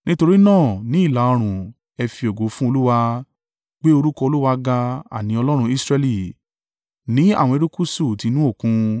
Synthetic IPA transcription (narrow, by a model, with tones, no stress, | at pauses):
nĩ˦to˧ɾi˦nãː˦˨nĩ˨˦i˦˨la˨ɔ˧ɾ̃ũ˨ | ɛ˧fi˧o˨ɡo˨˦fũ˦o˧lu˦wa˧ | k͡pe˦o˧ɾu˦kɔ˧o˧lu˦wa˧ɡa˧a̰˨nĩ˨˦ɔ˧lɔ˦ɾ̃ũ˧i˦sɾɛ˧li˦˨ | nĩ˨˦a̰˦˨wɔ̃˧e˧ɾu˦ku˦su˦˨ti˧˦nũ˦o˦˨kũ˧